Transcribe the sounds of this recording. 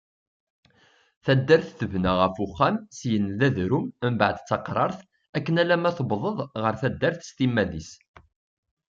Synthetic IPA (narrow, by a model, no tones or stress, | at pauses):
θæd̪ːæɾθθəvnæʁəfuχːæmsjənðæðɾummbʕəd̪t͡sːɑqɾˤɑɾˤθ | ækːənælæmæθəbðˤəðˤʁəɾθæd̪ːæɾθə̥st̪imːæðis